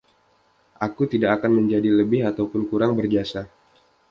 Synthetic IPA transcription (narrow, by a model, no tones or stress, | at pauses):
ʔakut̪idakːkanməɲd͡ʒadiləbɪɦat̪awpʊnkuɾaŋbərɡiasa